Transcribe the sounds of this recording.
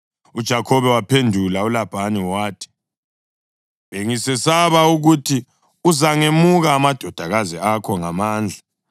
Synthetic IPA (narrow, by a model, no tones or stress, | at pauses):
ud̥ʒ̥ʱakʰɔβɛwapʰendʱulaulab̥ʱaniwaːtʰi̥ | βeŋisɛsaβauɣutʰi | uzaŋemuɣaːmad̥ʱɔd̥ʱaɣaziakʰɔŋamaːnd͡ɮʱa